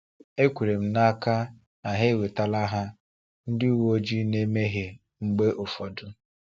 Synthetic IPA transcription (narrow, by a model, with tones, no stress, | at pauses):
e˦kʷu˨ɾe˨m̩˦na˦ka˦ | na˨ɦe˦˨we˨ta˦la˦ɦa˦ | n̩˦dɪ˦u˦wo˦o˦d͡ʒi˦ne˦me˦ɦe˨ | ŋ͡m̩˦ɡ͡be˦ʔo˨fɔ˨dʊ˦